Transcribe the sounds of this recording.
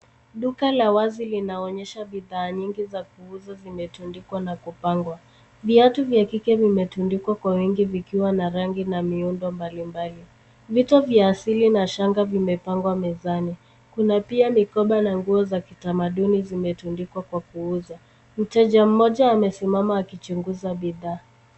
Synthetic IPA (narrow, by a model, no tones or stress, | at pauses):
ɗukalawazilinaɔɲɛʃaɓiðaːɲiŋɡizakuuzazimɛtundikwanakupaŋɡwa | viatuvjakikɛvimɛtundikwakwawiŋɡivikiwanaɾaŋɡinamiundɔmbalimbali | vitɔvjaːsilinaʃaŋɡavimɛpaŋɡwamɛzani | kunapiamikɔɓanaŋɡuɔzaki̥tamaɗunizimɛtundikwakwakuuza | m̩tɛʄam̩mɔʄaːmɛsimamaːkit͡ʃuŋɡuzaɓiðaː